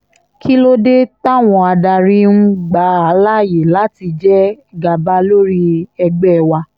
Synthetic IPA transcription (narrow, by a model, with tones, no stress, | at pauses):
kʰi˦lo˦de˦ta˦˨w̃ɔ̃˧a˧da˧ɾi˦nũ˦ɡ͡ba˨˦a˨˦la˦˨je˨la˨˦ti˧d͡ʒɛ˦ | ɡa˧ba˦lo˦ɾi˦ɛ˧ɡ͡bɛ˦˨wa˧